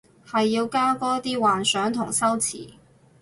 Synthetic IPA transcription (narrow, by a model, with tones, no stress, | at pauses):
hɐ˨jːiː˧wkaː˥kɔː˥t̪iː˥waː˨nsœː˨˥ŋt̪ʰʊ˨˩ŋsɐ˥wt͡sʰḭː˨˩